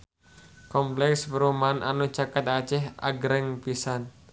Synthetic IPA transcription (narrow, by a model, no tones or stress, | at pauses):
kɔmplɛkspəɾumanʔa̰nu̥t͡ʃakat̪ḁt͡ʃɛɦʔa̰ɡɾɛŋpisan